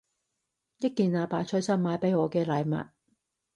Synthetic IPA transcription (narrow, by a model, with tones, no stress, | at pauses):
jɐ˥t̚kːiː˨˧nlaː˨˧paː˨t͡ʃʰɵ˨˥jsɐ˥nmaː˨˥jpe˨˧˥jɔː˨˧kɛː˧lɐ˨˧jmɐ̰˨t̚